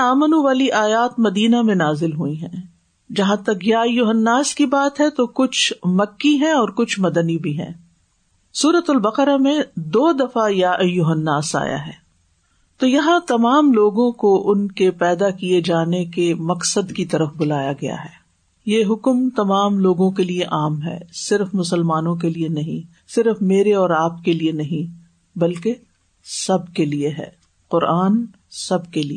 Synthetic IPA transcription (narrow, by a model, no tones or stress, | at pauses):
aːmənũʋaːliʔaːjaːt̪mɐd̪iːnamẽnaːzɪlɦuiɦɛ̃ː | d͡ʒɐɦãt̪ɐkjajʊɦənːaːskibaːt̪ɦɛt̪okʊt͡ʃʰmɐkːiɦɛ̃ɔːɾkʊt͡ʃʰmɐd̪ənibʱiɦɛ̰̃ː | suːɾət̪ʊlbɐqɾamẽd̪oːd̪ɐfajaʔjʊɦənːaːsa̰ːja̰ɦɛ̰ː | t̪oːjɐɦãt̪ɐmaːmloːɡõkoʔʊnkepɛːd̪akied͡ʒaːnekemɐqsəd̪kit̪ɐɾəfbʊlaːjaɡɐja̰ɦɛː | jeɦʊkmt̪ɐmaːmloːɡõkelieʔaːmɦɛ̰ːsɪɾfmʊsəlmaːnõk̬elienɐɦĩ | sɪɾfmeːɾeɔːɾaːpkelienɐɦĩ | bɐlke | sɐb̚kelieɦɛ̰ː | qʊɾaːn | sɐbʱkelie